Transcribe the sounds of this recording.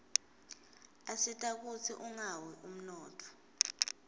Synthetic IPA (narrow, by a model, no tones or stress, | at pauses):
asitʼak̬ut͡sʰḭʔuŋawɛʔum̩nɔːtʰɔ̥